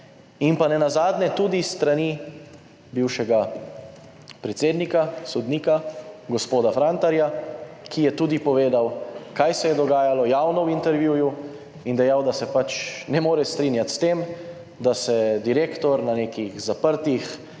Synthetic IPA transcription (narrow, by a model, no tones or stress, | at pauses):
inpanɛnazaːd̪nɛt̪uːd̪ist̪ɾani | biwʃɛɡa | pɾɛt̪seːd̪nikasɔd̪niːkaɡɔspoːd̪afɾant̪aɾjakʰijɛt̪uːd̪ipɔʋeːd̪awkajsɛjɛd̪ɔɡaːjalɔjaːwnɔwint̪ɛɾʋjuːju | ind̪ɛjawd̪asɛpat͡ʃnɛmoːɾɛst̪ɾiːnjat̪st̪em | d̪asɛd̪iɾeːkt̪ɔɾnaneːkixzapəɾt̪ix